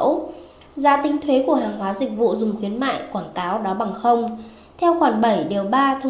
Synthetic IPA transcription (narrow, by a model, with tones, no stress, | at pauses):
w | zaː˧˥t̪ï˨˦ŋ̟t̪ʰwe˨˦ku˧˩əɦaː˨˩ŋɦwaː˨˦zi˨˩k̚vṵ˧˨zʊ˨˩ŋ͡mxwi˨˦ənma̰ː˧˨jkwaː˧˩ŋkaː˨˦wɗɔ˨˦ɓa˨˩ŋxə˧wŋ͡m | t̪ʰɛ˧wxwaː˧˩nɓə˧˩jɗe˨˩wɓaː˧t̪ʰə˧